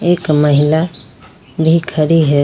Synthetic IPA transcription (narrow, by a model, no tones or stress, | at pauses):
eːkməɦila | bʱikʰəɾiɦɛ